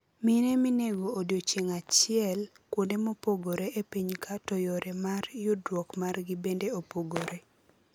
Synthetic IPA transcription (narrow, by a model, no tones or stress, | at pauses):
minemineɡoːdjot͡ʃeŋat͡ʃɪɛl | kwondemopoɡoɾeʔepiɲkʰatojoɾemarjʊdwɔkmarɡibendeopoɡoɾe